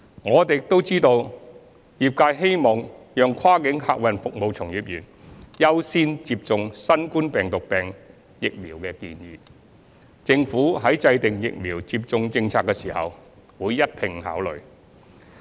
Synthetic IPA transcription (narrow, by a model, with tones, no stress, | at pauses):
ŋɔː˨˧t̪e˨jt̪o˥wt͡siː˥t̪o˧w | jiː˨p̚kaː˧jɦe˥jmɔː˨ŋjœː˨ŋkʷʰwaː˥kɪ˨˥ŋha̰ː˧k̚wɐ˨nfʊ˨k̚mo˨˧wt͡sʰʊ˨˩ŋjiː˨p̚jyː˨˩njɐ˥wsiː˥nt͡siː˧p̚t͡sʊ˨˧ŋsɐ˥nkuː˥npɛː˨ŋt̪ʊ˨k̚pɛː˨˩ŋ | jɪ˨k̚miː˨˩wkɛː˧kiː˧njiː˨˧˦ | t͡sɪ˧ŋfuː˨˥ɦɐ˨˥jt͡sɐ˧jt̪ɪ˨ŋjɪ̰˨k̚miː˨˩wt͡siː˧p̚t͡sʊ˧ŋt͡sɪ˧ŋt͡sʰaː˧kːɛː˧siː˨˩hɐ̰˨w | wuː˨˧jːɐ˥t̚pʰɪ˨˩ŋha̰ː˨˥wlɵ̰˨ɥ